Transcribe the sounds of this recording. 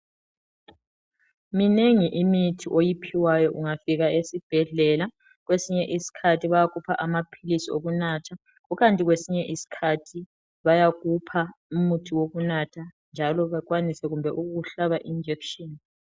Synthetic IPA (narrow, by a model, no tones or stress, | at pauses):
mineŋiʔimitʰiʔojipʰiwajɔʔuŋafiɣaesib̥ʱɛɮɛla | ɣwesiɲɛʔisi̥kʰatʰiβajaɣupʰaʔamapʰilisioɣunatʰa | ɣuɣantʼiɣwesiɲɛʔisi̥kʰatʰi | βajaɣupʰaumutʰiwoɣunatʰa | nd͡ʒʱalɔβakwanisɛɣumbʱɛʔuuɬaβaʔind͡ʒʱɛkʃɔn